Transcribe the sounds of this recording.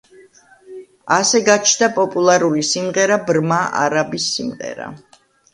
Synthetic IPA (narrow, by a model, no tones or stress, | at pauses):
asɛɡat͡ʃʰnd̪apʼɔpʼulˠaɾulisimʁɛɾabɾmaʔa̰ɾabisːimʁɛ̰ɾa̰